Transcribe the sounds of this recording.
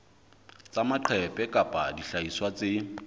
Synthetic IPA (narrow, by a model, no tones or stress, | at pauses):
t͡sʼamaǃʰɛpʼɛkʼapʼadiɬaiswat͡sʼɪ